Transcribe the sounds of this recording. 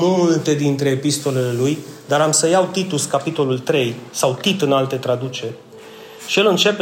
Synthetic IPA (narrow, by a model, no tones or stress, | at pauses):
mult̪e̞d̪int̪ɾe̞ːpist̪o̞le̞le̞lujd̪aɾamsəjawt̪it̪uskapit̪o̞lult̪ɾe̞jsawt̪it̪ɨnalt̪e̞t̪ɾad̪ut͡ʃe̞ɾʲ | ʃije̞lɨnt͡ʃe̞pe